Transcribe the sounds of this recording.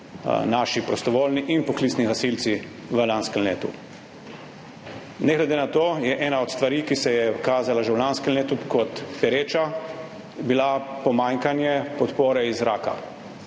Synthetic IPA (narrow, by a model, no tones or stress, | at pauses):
naːʃipɾɔst̪ɔʋoːlniʔinpɔklit̪sniɣasilt̪si | ʋəlanskɛmlḛːt̪ṵ | nɛɡlɛd̪eːnat̪oːjɛʔɛːnaɔt̪st̪ʋaɾiːkisɛjɛkaːzalaʒɛwlanskəleːt̪ukɔt̪pɛɾeːt͡ʃa | bilapɔmaːŋkanjɛpɔt̪poːɾɛizɾaːka̰